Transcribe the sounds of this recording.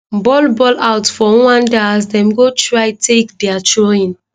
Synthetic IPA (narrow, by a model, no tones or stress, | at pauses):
bɔlbɔlawtfɔwãndazdɛ̃mɡotʰɹaɪtʰekdɛatʰɹoĩn